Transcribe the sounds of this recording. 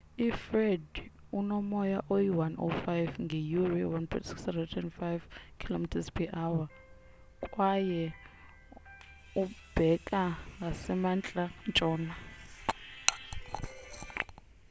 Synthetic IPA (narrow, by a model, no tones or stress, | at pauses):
ifrɛdunɔmɔjaʔojiwanʔo̰fajvŋɡʱɛjuriwanpʰɛ̰tsi̥ksɛvɛtʰɛnfajvkʰilomitʰaspʰiʔawa | kʼwajɛ | ub̥ʱɛkʼaasɛmant͡ɬʼant͡ʃʼɔːna